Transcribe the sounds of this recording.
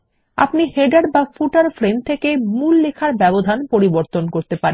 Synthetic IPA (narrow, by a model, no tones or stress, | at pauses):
a̰pniheɖaɾbafuʈaɾfɾent̪ʰekemulːekʰaɾbɛbod̪ʱanpoɾiboɾt̪onkoɾt̪epaɾe